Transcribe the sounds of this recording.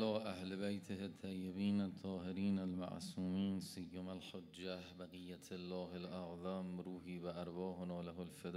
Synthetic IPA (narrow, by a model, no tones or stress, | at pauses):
lɒːʔahlbajt̪ʰehet̪ʰːajːebiːnat̪ʰːɒːheɾiːnalma̰ʕsuːmiːnsijːomalħod͡ʒːæhbaɣijːat̪ʰelːɒːhelʔaʕðˤamɾuːhiːvæʔaɾvɒːhonɒːlaɦolfed̪